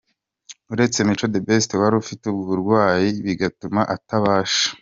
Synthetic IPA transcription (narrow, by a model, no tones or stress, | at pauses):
uɾe̞t͡se̞mit͡ʃo̞de̞be̞stewaɾufiteuβuβuɾɡwaːjiβiɡatumaʔataβaːʃḁ